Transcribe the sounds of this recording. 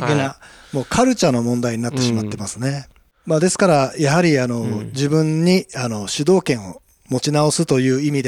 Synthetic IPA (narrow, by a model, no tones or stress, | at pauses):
kʲiɲʲa | mo̞ːkʰaɾɯ̟t͡ɕano̞mõ̞nd̪aiɲ̟inat̪ːe̞ɕimat̪ːe̞masɨne̞ | maːd̪e̞sɨ̥kaɾajaɦaɾʲiano̞d͡ʑibɯ̟̃ɲ̟ːiano̞ɕɨd̪o̞ːkẽ̞ɰ̃o̞ | mo̞t͡ɕinao̞sɨt̪o̞jɯ̟ːimʲid̪